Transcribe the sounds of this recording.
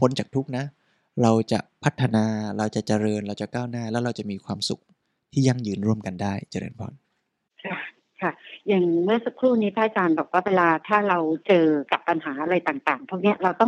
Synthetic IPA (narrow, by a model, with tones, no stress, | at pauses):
pʰo˦˥nt͡ɕaː˨˩k̚t̪ʰu˦˥k̚na˦˥ | ɾa˧wt͡ɕa̰˨˩ʔpʰa˦˥t̪ʰːa˧naː˧ɾa˧wt͡ɕa˨˩t͡ɕa˧ɾɤː˧nɾa˧wt͡ɕa˨˩kaː˥˩wnaː˥˩lɛː˦˥wɾa˧wt͡ɕa˨˩miː˧kʰwaː˧msu˨˩k̚ | t̪ʰiː˥˩ja˥˩ŋjɯː˧nɾu˥˩əmka˧ndaː˥˩jt͡ɕa˧ɾɤ̰ː˧npʰɔ̰ː˧˩n | kʰa˥˧˩ | kʰa˦˥˩jaː˨˩ŋmɯ˥˩ɐsa˨˩kʰɾuː˥˩niː˦˥pʰaː˦˥ʔa˧t͡ɕaː˧nbɔː˨˩k̚waː˥˩weː˧laː˧t̪ʰaː˥˩ɾa˧wt͡ɕɤː˧ka˨˩pːa˧nɦaː˩˦ʔa˧ɾa˧jt̪aː˨˩ŋt̪aː˨˩ŋt̪ʰu˥˩k̚ni˦˥ɐɾa˧wt̪ɔ˥˩ŋ